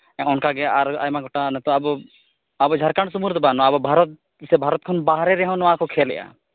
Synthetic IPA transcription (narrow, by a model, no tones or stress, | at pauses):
ɛ̃ɔnkaɡɛaɾa̰jmaɡʱɔʈanɛt̪ɔabɔ | abɔd͡ʒʱaɾkaɳsumuɾd̪ɔbanɔabɔbʱaɾɔt̪̚ | sɛbʱaɾɔt̪̚kʰɔnbaɦɾɛɾɛɦɔ̃nɔakɔkʰɛlɛ̰ʔa̰